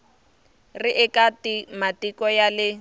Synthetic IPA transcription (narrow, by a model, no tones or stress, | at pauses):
rɪʔɪkatimatikɔjalɪ